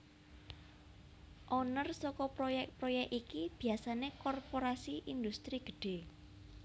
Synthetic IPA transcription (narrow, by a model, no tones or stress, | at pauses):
ʔonərsɔkɔpɾojɛkpɾojɛkikib̥i̤asanekɔrpoɾasiʔind̪ust̪ɾiɡ̥ə̤̥ɖ̥e̤